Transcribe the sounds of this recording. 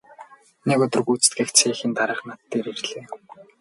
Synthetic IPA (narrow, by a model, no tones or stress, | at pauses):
nekʊt̪ɞ̆rɡut͡sɘ̥̆t̪ɡɘ̆xt͡sʰeːxĭnt̪aɾə̆χnat̪ːeːɾerɮeː